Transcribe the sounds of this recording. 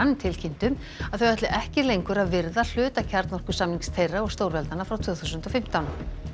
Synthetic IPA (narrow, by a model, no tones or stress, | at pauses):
nt̪ʰɪlcʰint̪ʏm | aðθœwvɛt̪lɪʔɛhcɪlejŋkʏɾaðvɪɾðal̥ʏːt̪acʰaɾt̪nɔr̥kʏ̥samliŋst̪ʰejrːaɔɣst̪oːwɾvɛlt̪nanːafɾawt̪ʰvœːθusʏnt̪ɔfɪm̥t̪awn